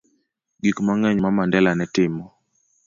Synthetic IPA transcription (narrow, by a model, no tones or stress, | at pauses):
ɡikmaŋɛɲmamandɛlanɛtɪmɔ